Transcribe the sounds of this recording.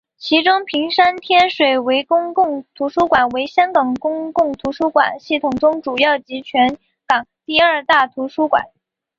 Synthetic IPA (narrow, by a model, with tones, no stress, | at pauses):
t͡ɕʰi˧˥ʈ͡ʂʊ˥ŋpʰi˧˥ŋʂa˥nt̪ʰjɛ˥nʂwe˨˩ɪwe˧˥ɪkʊ˥ŋkʊ˥˩ŋt̪ʰu˧˥ʂu˥kwa˨˩nwe˧˥ɪɕjɑ˥ŋkɑ˨˩ŋkʊ˥ŋkʊ˥˩ŋt̪ʰu˧˥ʂu˥kwa̰˨˩nɕi˥˩t̪ʰʊ˨˩ŋʈ͡ʂʊ˥ŋʈ͡ʂu˨˩jɑ˥˩ʊt͡ɕi˧˥t͡ɕʰɥɛ˧˥n | kɑ˨˩ŋt̪i˥˧ə˞˥˧t̪a˥˩t̪ʰu˧˥ʂu˥kwa̰˨˩˦n